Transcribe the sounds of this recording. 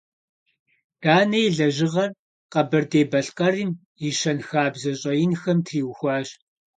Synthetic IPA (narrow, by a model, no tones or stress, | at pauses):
d̥aːnɐjɮɐʒɪʁɐr | qɐbɐrdeːbɐɬqʼɐriːm | iʃɐnxaːbzɐɕʼɐjɪnxɐmtʰriːwxʷɑːɕʼ